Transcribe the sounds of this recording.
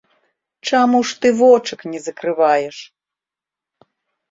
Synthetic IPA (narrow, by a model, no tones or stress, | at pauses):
t͡ʂamuʂt̪ɨvɔt͡ʂɨknʲɛzɐkɾɨvajɛʂ